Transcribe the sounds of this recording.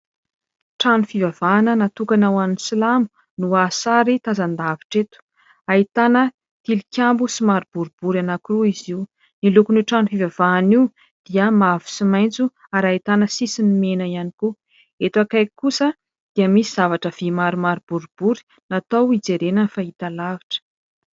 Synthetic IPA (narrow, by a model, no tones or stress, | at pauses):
ʈ͡ʂanufivavaːnənat̪ukanawannisilamu̥ | nuasaɾit̪azand̪aviʈ͡ʂet̪u̥ | ait̪anə | t̪ilikʲjambusimaɾib̥uɾubuɾanakuɾuiziu | nilukuniʈ͡ʂanufivavani | d̪̥iəmavu̥simaj̃nt͡su | aɾait̪anəsisinmenəianiku | et̪uakajkusə | d̪̥iəmisiz̥avaʈ͡ʂəv̥imaɾumaɾib̥uɾub̥uɾi̥ | nat̪awid͡zeɾenənfait̪alaviʈ͡ʂə̥